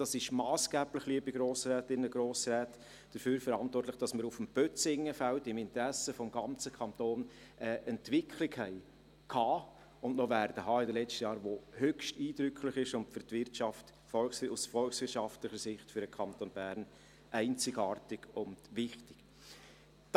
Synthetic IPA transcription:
d̥ɑsɪʃmɑːsɡ̥æːb̥lɪχliəbiɡɾoːsrɛːtɪnːəɡɾoːsɾɛːt | d̥əɾføːɾfəɾɑntwɔrtlɪχd̥ɑsməɾufm̩b̥œt͡sɪŋːəfæltɪmɪntəɾæsəfɔmɡɑnt͡səkʰɑntoːn | ʔəʔɛntvɪkʰlɪkhɛɪ | kʰhɑː | ʊndnɔʋæɾd̥əɦɑːɪdəlɛt͡stəjɑːɾʋohœkʃtiːd̥ɾʏkʰlɪχɪʃʊntfʏɾtvɪrtʃɑft | fɔlksusfɔlksʋɪɾʃɑftlɪχəɾsɪχtfʏɾəkʰɑntonb̥æːɾn | ʔæɪnt͡sɪɡɑːrtɪɡ̥ʊndʋɪχtɪ̥k

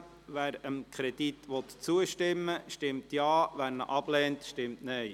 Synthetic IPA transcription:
ʋæːɾəmkʰɾɛd̥̪it̪ʋɔt̪t͡suəʃtɪmːəʃtɪmt̪jɑːʋæɾnə̰ʔɑb̥lɛːntʃtɪmtnɛɪ

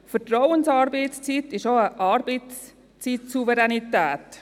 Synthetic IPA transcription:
fətɾɔwənsɑːɾbeɪtst͡sitɪʃoːəʔɑːɾbets | t͡siːtsuvɛɾɛnitæːt

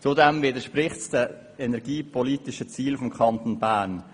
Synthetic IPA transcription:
t͡sʊdɛmvɪdəʃpɾɪχtsd̥ə | ɛnɛɾɡiːpʰɔliːtɪʃət͡siːlfɔmkʰɑnt̪onbæːɾn

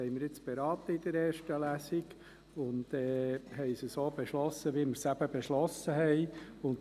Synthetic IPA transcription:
ɛɪməɾjɪt͡sb̥eɾɑːt̪əid̪əɾeːɾʃtəlæsiɡ | ʊndɛːhɛɪsəsoːb̥eʃlɔsːəʋiməɾsæb̥əbɛʃlɔsəɦɛɪʊnt

